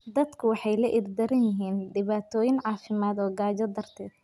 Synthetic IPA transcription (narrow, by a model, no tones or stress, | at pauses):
d̪ɐd̪kʰʊwɑħɑjlɐʔɪrd̪ɐɾɐnjɪɦiːnɖɪβaːt̪ʰɔːjɪnʕɑːfɪmaːd̪ɔːɡaːd͡ʒɐd̪ɐrt̪ʰɛːd̪